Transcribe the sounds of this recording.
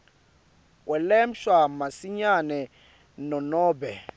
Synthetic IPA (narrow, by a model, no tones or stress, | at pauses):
k̬ʼwɛlɛm̩ʃwamasiɲanɛ | nɔnɔːbɛ